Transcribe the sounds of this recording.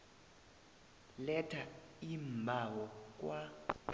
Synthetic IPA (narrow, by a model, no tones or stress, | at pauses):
lɛtʰa | imbʱawɔk̬ʼwa